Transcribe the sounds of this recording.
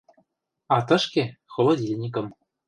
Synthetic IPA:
ɑt̪ɤ̆ʃkexŏlˠŏd̪ʲilʲenʲik̬ɤ̆m

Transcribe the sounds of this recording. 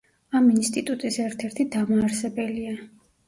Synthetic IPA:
aminst̪ʼit̪ʼut̪ʼisɛɾt̪ʰɛɾt̪ʰid̪amaːɾsɛbɛlia

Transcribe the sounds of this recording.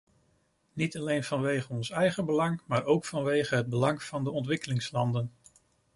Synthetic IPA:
nitɑlejnv̥ɑnʋejχənɔnsɛjχəbəlɑŋmaːɹowkfɑnʋejχəɦəd̚bəlɑŋv̥ɑndəɔntʋɪkəlɪŋslɑndən

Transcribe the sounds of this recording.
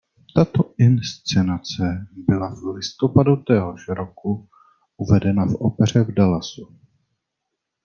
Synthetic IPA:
t̪at̪oʔɪnst͡sɛnat͡sɛbɪlavlɪst̪o̞padut̪ɛɦoʃɾoku | ʔuvɛdɛnafopɛr̝ɛvdalasu

